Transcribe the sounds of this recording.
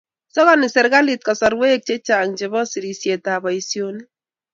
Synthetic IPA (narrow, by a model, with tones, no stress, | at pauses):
sɔ˦ɣɔ˦nɪ˨sɪ˨ɾɡa˦li˨t̚kɔ˨sɔ˨ɾwe˦k̚t͡ʃe˦t͡ʃa˨ŋt͡ʃe˨βɔ˦si˨ɾi˨sje˨ta˨bɔ˨i˨sjo˦ni˦